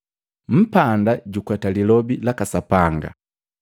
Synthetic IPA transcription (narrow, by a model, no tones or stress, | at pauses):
m̩pandaɟukwɛtalilɔbilakasapaŋɡa̰